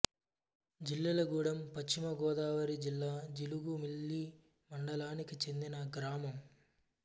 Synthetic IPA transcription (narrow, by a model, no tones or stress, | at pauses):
d͡ʒilːɐlɐɡuːɽɐmpɐt͡ʃt͡ʃːimɐɡɔːd̪aːʋɐɾid͡ʒilːaːd͡ʒiluɡumilːi | mɐɳɖɐlaːnikit͡ʃe̞nd̪inɐɡɾaːmɐm